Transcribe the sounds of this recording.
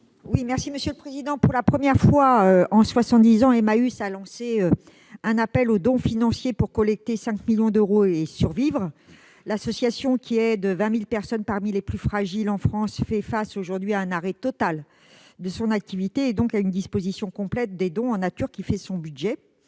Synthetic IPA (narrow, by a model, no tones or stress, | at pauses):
wimɛʁsiməsjøləpχezid̪ɑ̃puʁlapχəmjɛʁfwaøɑ̃swasɑ̃t̪̚d̪izɑ̃emaysalɑ̃seø | ɛ̃napɛlod̪ɔ̃finɑ̃sjepuʁkɔlɛk̚t̪esɛ̃kmiljɔ̃d̪øʁoesyʁvivʁ | lasɔsjasjɔ̃kʲʰiɛd̪əvɛ̃milpɛʁsɔnpaʁmileplyfχaʒilɑ̃fχɑ̃sfɛfasoʒuʁd̪ɥiaɛ̃naʁɛt̪ɔt̪al | d̪əsɔ̃nak̚t̪ivit̪eːd̪ɔ̃kaynd̪ispozisjɔ̃kɔ̃plɛt̪̚d̪ed̪ɔ̃ɑ̃nat̪yʁkʲifɛsɔ̃byd̪ʒɛ